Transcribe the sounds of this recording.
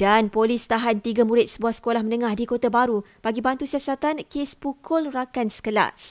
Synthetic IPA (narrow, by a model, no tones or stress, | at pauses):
d̥anpolist̪aɦant̪iɡamuɾɪt̪̚səbuahsə̥kolahmə̃nə̃ŋahdikot̪abaɾub̥aɡibant̪usiasat̪ankespukʰʊlrakansə̥kəla̰s